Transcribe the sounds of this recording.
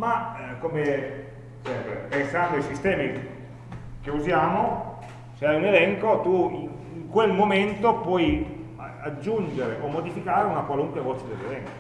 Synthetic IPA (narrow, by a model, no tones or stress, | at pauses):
makːome | sɛmpɾḛpensand̪oaijsist̪ɛːmi | k̟euzjaːmo | seɛjunelɛŋkot̪ui | iŋkwelmoment̪opwɔj | ad͡ʒːund͡ʒeɾeʔomːod̪ifikaːɾeunakwaluŋkwevɔt͡ʃed̪elːelɛŋko̥